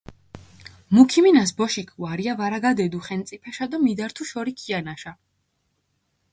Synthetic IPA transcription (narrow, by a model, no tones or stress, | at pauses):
mukʰiminasbɔʃikʰuaɾiavaɾaɡad̪ɛd̪uχɛnt̪sʼipʰɛʃad̪amid̪aɾt̪ʰuʃɔɾikʰianaʃa